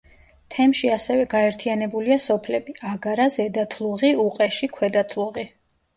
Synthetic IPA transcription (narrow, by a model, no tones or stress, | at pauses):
t̪ʰɛmʃiasɛvɛɡaɛɾt̪ʰianɛbuliasɔpʰlɛbiaɡaɾazɛd̪at̪ʰlˠuʁiuqʼɛʃikʰwɛd̪at̪ʰlˠuʁi